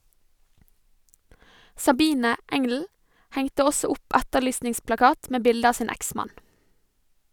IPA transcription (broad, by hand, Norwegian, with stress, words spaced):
sɑˈbiːnə ˈɛŋl̩ ˈhɛŋtə ˈɔsɔ ˈʊp ˈætəˌɭyːsnɪŋsplɑˌkɑːt ˈmeː ˈbɪldə ˈɑː ˈsiːn ˈæksmɑn